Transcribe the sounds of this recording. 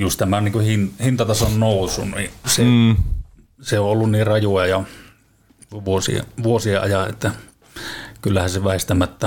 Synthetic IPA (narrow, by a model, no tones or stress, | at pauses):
just̪æmæniːŋkuhinhint̪ɑt̪ɑsonnoˑusːˑunnise | seõʔʔolːunniːrrɑjojɑjɑ | ʋuosḭḛʋuosieʔʔɑjɑʔʔḛt̪ːæ | kylːæhænseʋæˑest̪æmæt̪ːæ